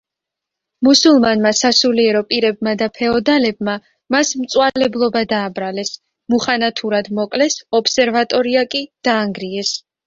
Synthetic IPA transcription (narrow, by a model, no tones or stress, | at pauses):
musulˠmanmasasuliɛɾɔpʼiɾɛb̚mad̪apʰɛɔd̪alɛb̚ma | masmt̪sʼwalɛblˠɔbad̪aːbɾalɛs | muχanat̪ʰuɾad̪mɔkʼlɛsɔpsɛɾvat̪ʼɔɾiakʼid̪̥aːŋɡɾiɛs